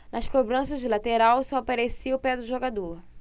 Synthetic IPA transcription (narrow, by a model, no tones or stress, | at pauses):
nʔɐskobɾɐ̃sɐʒd͡ʒɪlat̪eɾawsɔpaɾesiʊpɛd̪ʊʒoɡad̪o